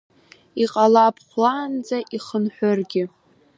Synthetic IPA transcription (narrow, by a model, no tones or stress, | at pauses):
iqʼalapʰχʷlaːnd͡zaʔiχənħʷᶣʊrɡʲɪ